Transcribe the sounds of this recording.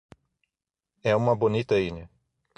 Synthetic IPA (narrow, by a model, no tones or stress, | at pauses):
ɛũmɐbonit̪ɐiɲɐ